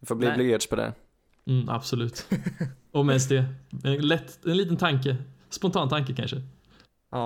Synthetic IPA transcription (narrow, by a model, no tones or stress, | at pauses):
ɪfoːbliːlɪɡeːʈʂpʰɔd̪ɛ̰ | a̰b̥sɔlʉ̟ːt̪ | ɔmɛnst̪d̪ɛɛnlɛt̪ːɛnliːt̪ənt̪ʰaŋkəspɔnt̪ʰɑːnt̪ʰaŋk̬əkʰa̰nʂə